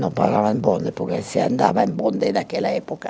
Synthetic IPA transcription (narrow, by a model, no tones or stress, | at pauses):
nompa̰rlavaembond̪epokesea̰nd̪a̰ːvaembond̪ed̪akelaepoka